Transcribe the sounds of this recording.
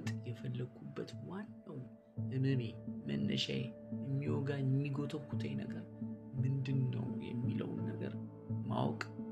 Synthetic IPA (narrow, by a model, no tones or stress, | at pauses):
t̪ʼjɛfəlːəɡubːət̪wanːəw | ʔɨnɨnemənːə̰ʃaje | ɨmːiwoɡaɨmːiɡot̪ʰəkʰut̪ʰejnəɡəɾ | mɨnd̪ɨnːə̰wjɛ̰mːilə̰wnːəɡə̰ɾ | ma̰wkʼ